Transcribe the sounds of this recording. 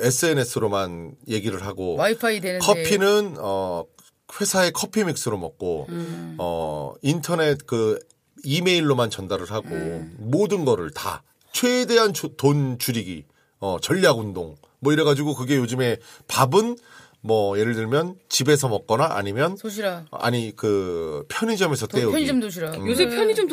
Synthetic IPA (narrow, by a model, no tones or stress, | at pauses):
e̞sʰɯe̞ne̞sʰɯɾomanje̞ɡiɾɯɭɦaɡo | kʰʌpʰinɯnʌ | ɸwe̞sʰae̞kʰʌpʰimik̚s͈ʰɯɾomʌ̰k̚k͈o | ʌ̰intʰʌne̞t̚kɯ | ime̞iɭːomant͡ɕʌndaɾɯɭɦaɡo̰modɯnɡʌɾɯɭta̰ | t͡ɕʰwede̞ɦantont͡ɕuɾiɡḭ | ʌt͡ɕʌʎːaɡundoŋ | mwʌiɾeɣad͡ʑiɡokɯɡe̞jod͡ʑɯme̞pabɯn | mʌje̞ɾɯɭdɯɭmjʌnt͡ɕibe̞s̬ʰʌmʌk̚k͈ʌnaʔa̰ɲimjʌna̰ɲikɯpʰjʌɲid͡ʑʌmesʰʌt͈eo | opʰjʌɲid͡ʑom